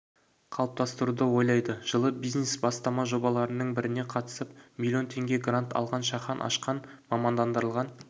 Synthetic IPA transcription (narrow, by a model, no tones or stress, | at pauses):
qʰɑlˠəp̚t̪ɑst̪əɾud̪əwo̞jlˠɑjd̪əʒ̥əlˠəbijznesbɑst̪ɑmɑʒo̞bɑlˠɑɾənəɴbɪɾɪne̞qʰɑt̪ə̥səp̚milʲijo̞nt̪ʰe̞ŋɡʲe̞ɡrant̪ɑ̰lˠʁɑnʃɑχɑnʔɑ̰ʃqɑnmɑmɑnd̪ɑnd̪əɾəlˠʁɑn